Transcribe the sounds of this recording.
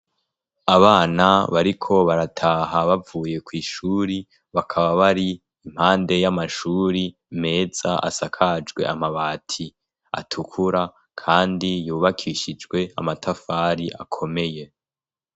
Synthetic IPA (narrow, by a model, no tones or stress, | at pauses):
aβaːnaβaɾikʰo̞βaɾatʰaːɦaβavuːje̞kwiːʃuːɾi | βakʰaβaβaɾi | im̥haːnde̞jamaʃuːɾi | me̞ːz̥a̰ʔa̰sakʰad͡ʒɡwe̞̰amaβaːtʰi | a̰tʰukʰuɾa | kʰaːndijuːβakʰiʃid͡ʒɡwe̞a̰matʰafaːɾiʔakʰo̞me̞je̞